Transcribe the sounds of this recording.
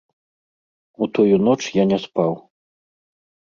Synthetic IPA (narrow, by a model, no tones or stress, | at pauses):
ut̪ɔjunɔt͡ʂjanʲɛspaw